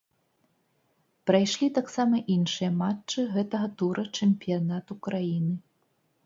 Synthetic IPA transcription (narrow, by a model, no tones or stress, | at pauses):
pɾajʂlʲit̪aksamɐʔinʂɨjɐmat͡ʂːɨɣɛt̪ɐɣɐt̪uɾʔɐt͡ʂɛmʲpʲijanat̪ukɾajinɨ